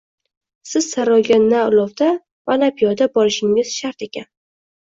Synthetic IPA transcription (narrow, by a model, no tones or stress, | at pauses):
sɪz̥saɾɒɡʲanaʊlˠɒvd̪a | vanapʰijɒd̪abɒɾɪʃɪŋɪz̥ʃaɾt̪e̞kʲʰan